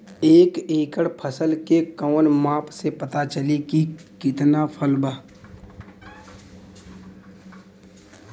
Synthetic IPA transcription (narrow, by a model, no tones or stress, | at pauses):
eːkeːkəɽpʰəsəlkekɔːnmaːpsepɐt̪at͡ʃəlikikɪt̪napʰəlbaː